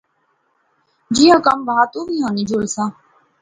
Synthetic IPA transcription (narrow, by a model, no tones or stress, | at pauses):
d͡ʒiːɦə̃kəmbəɦaːt̪uːʋiːɦãːnĩːd͡ʒoːlsãː